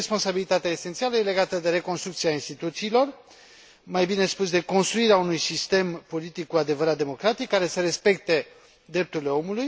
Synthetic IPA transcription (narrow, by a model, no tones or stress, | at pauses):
espo̞nsabilit̪at̪eaese̞nt̪sialəje̞le̞ɡat̪əd̪e̞ɾe̞ko̞nst̪ɾukt̪siainst̪it̪ut̪siːlo̞r | majbine̞spus̬d̪e̞ko̞nst̪ɾuiɾeaunujsist̪e̞mpo̞lit̪ikːuad̪e̞vəɾat̪̚d̪emo̞kɾat̪ikːaɾe̞seɾe̞spe̞k̚t̪e | d̪ɾe̞p̚t̪uɾile̞o̞muluj